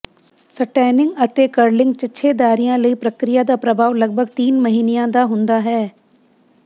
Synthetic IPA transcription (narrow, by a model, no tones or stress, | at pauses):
sɐʈɛːnɪ̃ŋɡɐt̪ekəɾlɪ̃ŋɡ̚t͡ʃɐːʃʰed̪aːɾijãlɐipɾɐkɾɪjad̪apɾɐbʱaːʋlɐɡ̚bʱəɡt̪iːnmɐɦiːnejãd̪aɦʊ̃nd̪aɦɛː